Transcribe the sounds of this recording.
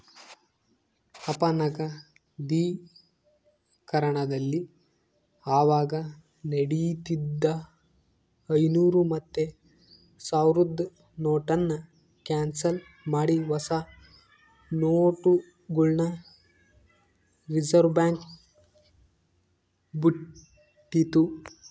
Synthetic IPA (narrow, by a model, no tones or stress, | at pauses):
ɐpɐnɐkɐ | d̪iː | kɐɾɐɳɐd̪ɐlːi | aːʋaːɡɐ | neɽit̪id̪ːɐ | ɐjnuːɾumɐt̪ːe | saːwɾud̪ː | noːʈɐnːɐ | kaːnsɐl | maːɽiʋɐsa | noːʈu | ɡuɭnɐ | ɾid͡ʒɐɾbjaːŋk | buʈː | it̪u